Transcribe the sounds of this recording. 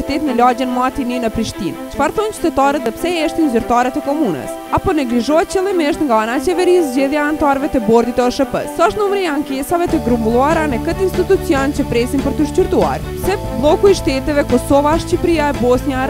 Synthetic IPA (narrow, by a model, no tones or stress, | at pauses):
ɾt̪ɛt̪nəlad͡ʑɛnmat̪ininəpɾiʃt̪int͡ʃfaɾθɔnt͡ʃy̥t̪ɛt̪aɾət̪ðɛpsɛɛʃt̪inzyɾt̪aɾɛt̪ɛkɔmunə̰s | apɔnɛɡliʒɔɛt̪̚t͡ɕɛlˠimɛʃt̪ŋɡaanat͡ɕɛvɛɾizd͡ʑɛðjaant̪aɾvɛt̪ɛbɔɾd̪it̪ɛɔʃəpə̰sɔʃt̪numɾiaŋkɛsavɛt̪əɡɾumbulˠuaɾanəkət̪inst̪it̪ut͡siɔnt͡ɕəpɾɛsinpəɾt̪əʃcuɾt̪ua̰ɾ | sɛpblˠɔkuiʃt̪ɛt̪ɛvɛkɔsɔvaʃt͡ɕipɾiaɛbɔsnjaɾ